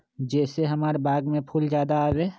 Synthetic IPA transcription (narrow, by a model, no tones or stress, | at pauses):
d͡ʒɛːseɦəmaːɾbaːɡmẽpʰuld͡ʒjaːd̪aaːʋeː